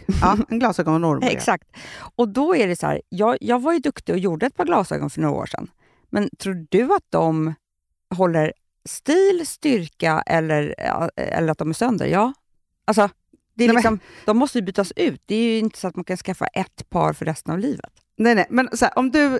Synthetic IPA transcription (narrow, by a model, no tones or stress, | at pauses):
ɑːɛnɡlɑːsœːɡɔnɛnɔɾmɛ̰ksak̚t̪ɔd̪ɔæɖɛshæ̰ːɾjɑːjɑːɡvaɾjɵd̪ɵkt̪ɪɔjuːɖəɛt̪̚pʰɑːɾɡlɑːsœ̰ːɡɔ̰nfœɳoːɡa̰o̰ːʂɛ̰nː | mʔɛnt̪ʰɾuːɖɵat̪̚d̪ɔm | ɦɔlːəɾ | st̪iːlst̪ʏɾkaʔɛ̰lːəɾ̰ɛ̰lːəɾat̪̚d̪ɔmæɾsœnd̪ə̰ɾjɑː | ʔals̬ɔ | d̪̥ɛːlɪksɔmd̪̥ɔmːɔst̪əjɵbyːt̪asʉ̟ːt̪̚d̪ɛːjɵɪnt̪ə̥sɔat̪mankʰanskafːa̰ʔɛt̪ːpʰɑ̰ːɾfœɾɛst̪ənavliːvə̰t̪ | nɛnɛjmɛnsɔæːɾʔɔmd̪ɵ